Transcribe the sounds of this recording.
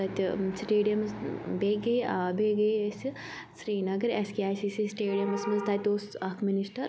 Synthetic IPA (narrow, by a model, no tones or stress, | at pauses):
ɐt̪sʈeːɖijɐmsbeɡɐjaːbeːɡɐjsɨ | sɾiːnɐɡɐɾeskiaːjsisisʈeːɖijɐmɐsmɐzt̪at̪ʲoːsɐkʰminisʈɐɾ